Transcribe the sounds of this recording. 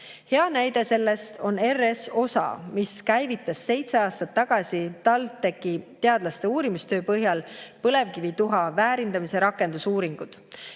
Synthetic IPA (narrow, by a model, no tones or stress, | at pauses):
he̞ɑnæjd̪̥e̞se̞lːe̞st̪ʰo̞ne̞reso̞sɑ̰miskæjvit̪ːˑɑsːe̞jt̪se̞ɑːst̪ɑt̪ːɑɡ̥ɑsʲit̪ɑlt̪ːe̞kːit̪e̞ɑd̪lɑst̪e̞uːɾimist̪ø̞ːpɤɦjɑlpɤle̞vkivit̪uɦɑvæːɾind̪ɑmise̞ɾɑkːˑe̞nd̪̥usuːɾiŋɡ̥ud̪̥